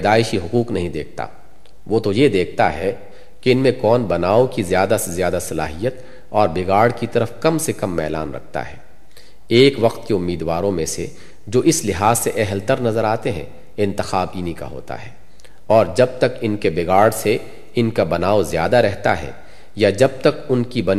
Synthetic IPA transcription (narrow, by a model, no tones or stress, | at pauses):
d̪aːɪʃiɦʊquːqnɐɦĩd̪eːk̚ʰt̪a̰ː | ʋoːt̪ojed̪eːk̚ʰt̪a̰ɦɛ | keɪnmẽkɔːnbɐnaːokizjaːd̪asezjaːd̪asɐla̰ːɦijət̪ | ɔːɾbɪɡaːɽkit̪ɐɾəfkɐmsekɐmːɛ̰ːla̰ːnɾɐ̰k̚ʰt̪a̰ɦɛː | eːkʋɐqt̪keʊmːiːd̪ʋaːɾõmẽse | d͡ʒoːʔɪslɪɦaːzseʔɛɦlt̪əɾnɐzəɾaːt̪eɦɛ̰̃ | ɪ̃nt̪ɪxaːbiːnika̰ɦo̰ːt̪a̰ɦɛː | ɔːɾd͡ʒɐb̚t̪ɐkɪnkebɪɡaːɽse | ɪnkabɐnaːozjaːd̪aɾɛɦt̪a̰ɦɛ̰ː | jad͡ʒɐb̚t̪ɐkʊnkibɐn